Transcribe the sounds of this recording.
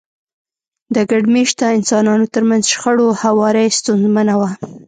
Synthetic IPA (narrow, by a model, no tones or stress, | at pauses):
d̪əɡaɖmeʃt̪aɪnsɑnɑnot̪əɾmanzʃxəɽohawɑɾəjst̪unzmanawa